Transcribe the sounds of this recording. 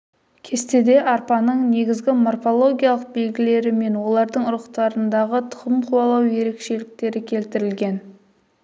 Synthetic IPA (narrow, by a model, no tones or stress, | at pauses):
kʲʰe̞st̪e̞d̪e̞ʔɑɾpɑnəɴne̞ɡʲɪzɡʲɪmo̞rfo̞lˠo̞ɡʲijalˠəq̚be̞lɡʲɪle̞ɾɪme̞nwo̞lˠɑɾd̪əɴʊɾəqt̪ɑɾənd̪ɑʁət̪ʰʊ̥ʁəmqʰuɑlˠɑwje̞ɾe̞kʃe̞lɪk̚t̪e̞ɾɪkʲʰe̞lt̪ɪɾɪlɡʲe̞n